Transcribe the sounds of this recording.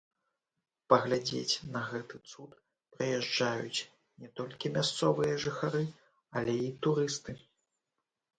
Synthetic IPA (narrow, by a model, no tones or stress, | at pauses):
pɐɣlʲad͡zʲḛt͡sʲnɐɣɛt̪ɨt̪sut̪ | pɾɨjɛʐd͡ʐajut͡sʲ | nʲɛt̪ɔlʲkʲimʲast̪sɔvɨjɐʐɨxaɾɨ | ɐlʲɛit̪uɾɨst̪ɨ